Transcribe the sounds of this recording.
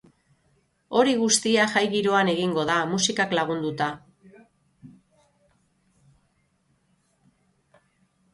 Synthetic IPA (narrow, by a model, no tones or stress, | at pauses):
o̞ɾiɣust̪iaʝajɣiɾo̞ane̞ɣiŋɡo̞ðamusikaklaɣ̞und̪ut̪a